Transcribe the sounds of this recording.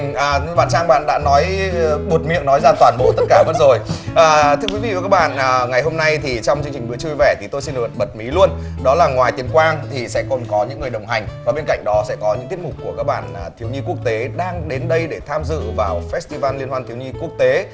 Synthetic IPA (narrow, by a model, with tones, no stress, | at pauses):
ʔːɓaː˨nt͡ɕaː˧ŋɓa̰ː˧˨nɗa̰ː˧˥nɔ˨˦jɓo˨˩t̚mḭ˧˨ənɔ˨˦jzaː˧t̪waː˧˩nɓo̰˧˥t̪ə˦˥t̚kaː˧˩mə˦˥t̚zo˨˩jʔaː˨˩t̪ʰɨ˧əkwi˨˦vḭ˧˨ə˨˩kaː˦˥k̚ɓa̰ː˧˨nʔːŋa˨˩jɦo˧mna˧jt̪ʰi˨˩t͡ɕɔ˧wŋ͡mt͡ɕɨ˧əŋt͡ɕï˨˩ɨ̰˧˥ət͡ɕu˧jvɛ˧˩t̪ʰi˨˩t̪o˧jsi˧nɗ̚ɓə˨˩t̚mi˨˦lu˧ənɗɔ˨˦laː˨˩ŋwaː˨˩jt̪i˨˩əmkwaː˧ŋt̪ʰi˨˩sɛ̰˧˥kɔ˨˩nkɔ˨˦ɲɨ̰˧˥ŋː˨˩jɗə˨˩wŋ͡mɦa˨˩jŋ̟vaː˨˩ɓe˧nka̰˧˨jŋ̟ɗɔ˨˦sɛ̰˧˥kɔ˨˦ɲɨ̰˧˥ŋt̪i˦˥ət̚mʊ˨˩k͡p̚kːu˧˩əkaː˦˥k̚ɓa̰ː˧˨n˨˩t̪ʰi˨˦wɲi˧ku˦˥ək̚t̪e˨˦ɗaː˧ŋɗe˨˦nɗə˧jɗe˧˩t̪ʰaː˧mzɨ̰˧˨vaː˨˩wfɛ˦˥st̪i˧vaː˧nli˧nhwaː˧nt̪i˨˦wɲi˧ku˦˥ək̚t̪e˨˦